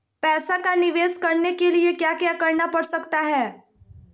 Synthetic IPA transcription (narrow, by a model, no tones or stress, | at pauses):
pɛːsakanɪʋeːskɐɾnekeliekjaːkjaːkɐɾnapɐɽsɐkt̪aɦɛː